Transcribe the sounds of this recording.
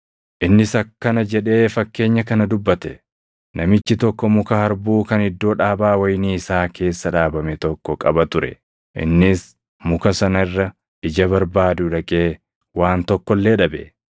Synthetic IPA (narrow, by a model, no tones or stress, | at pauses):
ʔɪnːɪsɐkːɐnɐd͡ʒɛᶑe̞ːfɐkːe̞ːɲːɐkɐnɐd̪ʊbːɐt̪ɛ | nɐmɪt͡ʃːɪt̪ɔkːɔmʊkɐhɐɾbuːkɐnhɪd̪ːo̞ːᶑaːbaːwɐjniːɪsaːkʰe̞ːsːɐᶑaːbɐmɛt̪ɔkːɔkʼɐbɐt̪ʊɾɛ̰ | ʔɪ̰nːɪs | mʊkɐsɐnɐɪrːɐ | ʔɪd͡ʒɐβɐɾbaːd̪ʊᶑɐkʼeː | waːnt̪ɔkːɔlːeːᶑɐbɛ